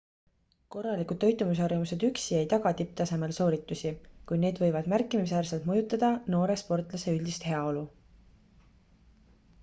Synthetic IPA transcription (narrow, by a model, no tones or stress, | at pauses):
ko̞rːɑlikud̪̥̚ːø̞jt̪ˑːumis̬ɑrvmuse̞d̪yksie̞jt̪ɑɡ̥ɑt̪ip̚t̪ɑse̞me̞lso̞ːɾit̪ːˑusʲikujne̞ːd̪̥vɤ̞jvɑd̪̥mærkːˑimis̬æːrselt̪mɤjut̪ːˑɑd̪̥ɑno̞ːɾe̞spo̞rt̪ˑlɑse̞ylʲd̪ist̪he̞ɑo̞lu